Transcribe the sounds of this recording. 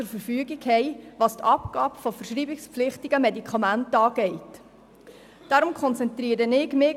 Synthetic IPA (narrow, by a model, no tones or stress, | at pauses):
ʊɾfəɾfyːəɡɪkhɛɪʋɑːst̪ʰɑpɡ̥ɑːb̥fɔfəɾʃɾiːbɪkspflɪχtɪɡəmɛdikχɑmæntɑːɡɛɪt | d̥ɑːɾʊmkχɔnt͡sɛnt̪ɾiːɾənɪɡmɪ